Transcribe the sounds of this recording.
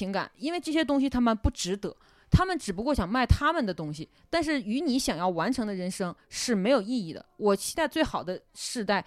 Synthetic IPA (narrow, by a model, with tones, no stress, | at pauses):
i˧˥ŋka̰˨˩˦ni˥nwe˥˧ɪʈ͡ʂɤ˥˩ɕjɛ˥t̪ʊ˥ŋɕ̬i˨t̪ʰa˥mə˨npu˥˩ʈ͡ʂɻ̩˧˥t̪ɤ˧˥ | t̪ʰa˥mə˨nʈ͡ʂɻ̩˨˩p̬u˧˥kwɔ˥˩ɕjɑ˨˩ŋma˥˩ɪt̪ʰa˥mə˨nd̪ə˩t̪ʊ˥ŋɕi˨˩ | t̪a˥˧nʂ̬ɻ̩˥˩y˧˥ni˧˥ɕjɑ˨˩ŋjɑ˥˩ʊwa˧˥nʈ͡ʂʰɤ˧˥ŋd̪ə˧ɻə˧˥nʂɤ˥ŋʂɻ̩˥˩me˧˥ɪjo˨˩ʊi˥˧i˥˩d̪ə̰˩wɔ˨˩t͡ɕʰi˧˥t̪a˥˧ɪt͡swe˥˩ɪxɑ˨˩ʊd̪ə˦ʂɻ̩˥˧t̪a˥˩ɪ